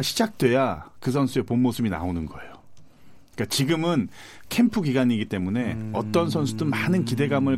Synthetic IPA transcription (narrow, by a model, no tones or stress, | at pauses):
ɕʰid͡ʑak̚t͈we̞jakɯsʰʌnsʰue̞ponmosʰɯbina̰onɯnɡʌe̞jo | k͈at͡ɕiɡɯmɯn | kʰe̞mpʰuɡiɡaɲiɡit͈e̞mune̞ʌt͈ʌns̬ʰʌnsʰudɯnmaːnɯnkide̞ɡamɯɭ